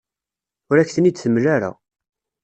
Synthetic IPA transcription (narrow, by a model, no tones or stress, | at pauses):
ʊɾækːθənid̪θəmːlaɾa̰